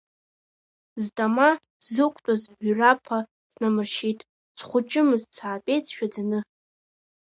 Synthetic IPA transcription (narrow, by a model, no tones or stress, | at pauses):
ztʼama | zɨkʷʼtʷʼazʕʷᶣrapʰa | snamɨrʃitʼ | sχʷʊt͡ʃʼɪmɨzt͡sʰaːtʼejt͡sʰʃᶣad͡zanɨ